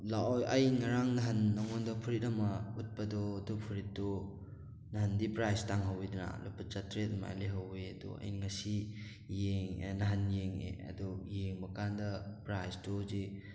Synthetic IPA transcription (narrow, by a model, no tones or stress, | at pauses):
lajʔɐjŋaɾaŋnɐɦɐnːaŋondɔpʰuɾit̚ɐmɐut̚pɐdɔdupʰuɾit̚dɔ | nɐɦɐndipɾajstaŋɦawiduna̰lupɐt͡ʃatɾetma̰liɦaweɐdṵɐ̰j̰nŋɐsi | jeŋnɐɦɐnjeŋḛɐ̰dujeŋbɐkandɐpɾajstɔzi